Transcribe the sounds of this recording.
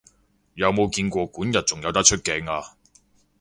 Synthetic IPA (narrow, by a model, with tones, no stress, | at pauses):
jɐ˨˧wmo˨˧wkiː˧nkʷɔː˧kuː˨˥njɐ˨t̚t͡sʊ˨ŋjɐ˨˧wt̪ɐ˥k̚t͡ʃʰɵ˥t̚kɛː˧˩ŋaː˧